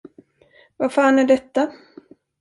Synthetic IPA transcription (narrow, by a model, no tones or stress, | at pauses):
vafaːnæɖɛt̪ːa